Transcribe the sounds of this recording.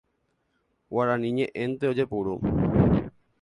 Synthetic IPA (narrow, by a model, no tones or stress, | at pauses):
waɾanĩɲẽʔẽnt̪eod͡ʒepuɾu